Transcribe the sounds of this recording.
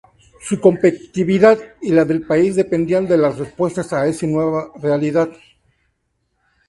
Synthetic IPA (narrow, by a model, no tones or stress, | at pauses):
suko̞mpet̪i̥t̪iβiðaðilaðe̞lpaizðe̞pe̞nd̪iand̪e̞lasrespwe̞st̪asae̞sinweβarealiðað